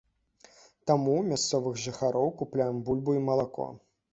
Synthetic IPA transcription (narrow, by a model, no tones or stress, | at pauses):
t̪amumʲast̪sɔvɨɣʐɨxaɾɔwkuplʲajɛmbulʲbuimɐlˠakɔ̰